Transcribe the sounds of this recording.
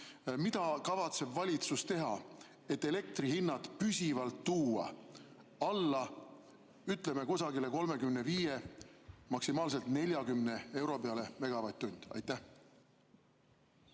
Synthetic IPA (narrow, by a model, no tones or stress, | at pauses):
mid̪̥ɑkɑvɑt̪se̞bvɑlʲit̪sust̪e̞ɦɑ | e̞t̪ːˑe̞le̞k̚t̪rihinːɑt̪pysʲivɑlt̪ːuːɑ̰ | ɑlːɑ | yt̪ːˑle̞me̞kusɑɡile̞ko̞lme̞kymneviːje̞ | mɑksimɑːls̬e̞lt̪ne̞lʲjɑkymne̞e̞wɾo̞pe̞ɑle̞me̞ɡ̥ɑvɑjt̪ːunʲd̪̥ɑ̰jt̪ːˑæh